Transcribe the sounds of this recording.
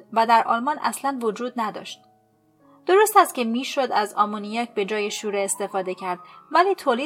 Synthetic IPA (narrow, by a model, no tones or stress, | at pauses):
væd̪æɾʔɒ̰ːlmɒːnʔæ̰slænvod͡ʒuːd̪̚næd̪ɒ̰ːʃt̪̚ | d̪̥oɾost̪æst̪cʰe̞miːʃod̪æzɒːmonijɒːcʰbe̞d͡ʒɒːje̞ʃuɾeest̪e̞fɒːd̪e̞cʰæɾd̪̥væliːt̪ʰoːliː